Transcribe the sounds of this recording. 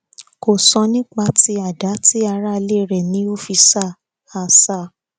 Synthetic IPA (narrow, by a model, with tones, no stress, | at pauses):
ko˨sɔ̃˧nĩ˦k͡pa˧ti˧˦a˦˨da˨˦ti˦a˧ɾa˦˧le˦˨ɾɛ˨nĩ˨˦o˦fi˧sa˦˨ | a˧sa˦˨